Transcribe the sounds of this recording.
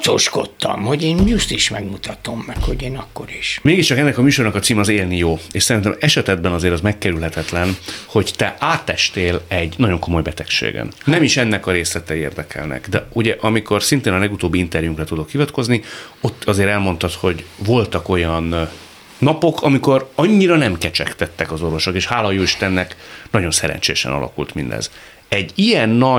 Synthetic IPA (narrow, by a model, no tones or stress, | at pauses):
t͡ʃoʃko̞̰t̪ːɒ̰mho̞ɟeːnust̪iʃmɛɡmut̪ɒt̪o̞mːɛkho̞ɟeːnɒkːo̞̰ɾiʃmeːɡiʃt͡ʃɒkɛnːɛkɒmyːʃo̞rnɒkɒt̪siːmɒzeːlnijoːeːʃsɛɾint̪ɛmɛʃɛt̪ɛd̪̚bɛnɒzeːɾɒzmɛkːɛɾylɦɛt̪ɛt̪lɛnho̞ɟt̪ɛʔaːt̪ːɛʃt̪eːlɛɟnɒɟo̞ŋko̞mo̞jbɛt̪ɛkʃḛːɡɛ̰nnːɛmiʃɛnːɛkɒɾeːslɛt̪ɛeːrd̪ɛkʰɛ̰lnɛ̰kd̪ɛuɟɛʔɒmiko̞rsint̪eːnɒlɛɡut̪oːbːiint̪ɛrjuŋkrɛt̪ud̪o̞khivɒt̪ko̞znio̞t̪ːɒzeːɾɛlmo̞nt̪ɒt̪ho̞ɟvo̞lt̪ɒko̞jɒnː | ɒpo̞kʰɒmiko̞ɾɒɲːiɾɒnɛmkɛt͡ʃɛ̰kt̪ɛt̪ːɛkɒzo̞rvo̞ʃo̞keːʃhaːlɒjoːiʃt̪ɛnːɛknɒɟo̞nsɛɾɛ̰nɲt͡ʃḛjɛʃɛ̰nɒ̰lʔɒ̰kṵlt̪mind̪ɛ̰z | ɛɟijɛnːɒ